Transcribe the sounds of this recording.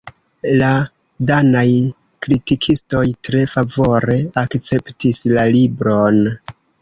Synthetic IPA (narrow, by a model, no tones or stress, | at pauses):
la | danaj | kɾitikʰisto̞jtɾe̞favo̞ɾe̞akt͡se̞ptislalibɾo̞n